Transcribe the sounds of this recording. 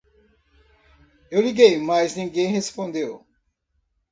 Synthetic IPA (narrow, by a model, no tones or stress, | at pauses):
ewliɡejmajznĩŋɡẽj̃hespõnd̪ew